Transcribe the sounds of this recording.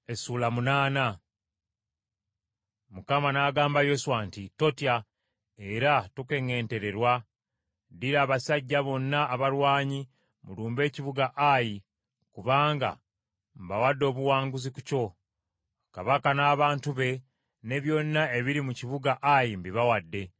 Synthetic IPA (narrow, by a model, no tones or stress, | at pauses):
e̞suːlamunaːna | mukamanaːɡaːmbajo̞swantito̞tja | e̞ɾatuke̞ŋe̞ːnte̞ɾe̞ɾwa | diɾaːβasaɟːaβo̞nːaːβaɾwaːɲi | mṵluːmbe̞ːciβuɡaʔaji | kuβaːŋɡa̰ | mbawadːo̞ːβuwaːŋɡuziku̥co̞ | kaβakanaːβaːntuβe̞ | ne̞βjo̞nːae̞βiɾimuciβuɡaʔajimbiβawadːe̞